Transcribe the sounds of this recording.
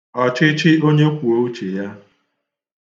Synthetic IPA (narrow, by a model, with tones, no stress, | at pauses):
ɔ˨t͡ʃɪ˦t͡ʃɪ˦o˦ɲe˦kʷu˨o˦u˦t͡ʃe˨ja˦